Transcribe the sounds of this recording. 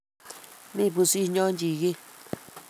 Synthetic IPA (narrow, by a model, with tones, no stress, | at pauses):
mĩ˦˨pu˧si˦˨˧ɲõ˦nd͡ʒi˨ɣi˦